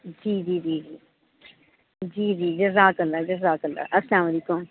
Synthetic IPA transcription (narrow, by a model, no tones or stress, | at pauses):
d͡ʒiːd͡ʒiːd͡ʒiːd͡ʒiː | d͡ʒiːd͡ʒiːd͡ʒɐzaːkɐlːaːd͡ʒɐzaːkɐlːa̰ʔɐslaːmɐleːkʊm